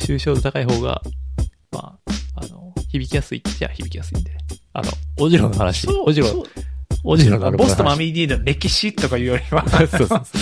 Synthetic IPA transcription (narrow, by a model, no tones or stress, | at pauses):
ɕɨːɕo̞ːd̪ot̪akaiɦo̞ːɡa̰ | ma̰ːanoçibʲikʲijasɨid͡ʑa̰çibʲikʲijasɨḭ̃nd̪ea̰t̪o̰oʑiɾõnːohanaɕioʑiɾõ | oʑiɾõnɾbosɨt̪omamʲid̪ʲiːnoɾe̞kʲiɕit̪ːo̞kajɯ̟ːjo̞ɾʲiβasoːsoːso